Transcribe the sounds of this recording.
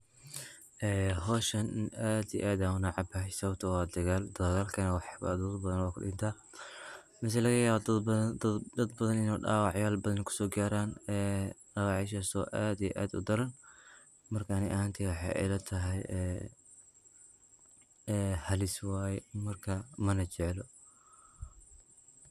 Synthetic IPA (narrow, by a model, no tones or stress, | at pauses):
ʔɛːɦɔːʃɐnnaːd̪ij̰ʔaːd̪aʊnaʕɑbɐħsɐwt̪ʰɐwɑːd̪ɐɣaːld̪ɐɣaːlkʰɐnɐwɑħb̰d̪ɐd̪bɐðɐnwɑːkʰʊ̰ɗɪnt̪ʰaː | mɪs̬ɐlɐɣɐjaːβɐd̪ | d̪ɐd̪bɐðɐnɪnɔːɖaːwɑʕjaːlbɐðɐnkʰʊ̥sɔːɡaːɾaːnɛːɗɑːwɑʕɪʃ̬aːsɔʔaːd̪ijɛ̰ʔa̰ːd̪ʊ̰d̪ɐɾɐn | mɐrkʰanɪʔɐɦaːnt̪ʰiwɑħɑ̰jʔɛ̰lɐt̪ʰɐɦɛjɛː | ɛhɐlɪswɑːjɛmɐrkʰɐmɐnɐt͡ʃɛʕlɔ